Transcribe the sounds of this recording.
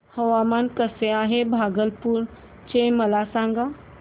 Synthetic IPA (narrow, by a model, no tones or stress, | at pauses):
həʋamankəseaɦebʱaɡəlpuɾ | t͡ɕeməlasãŋɡa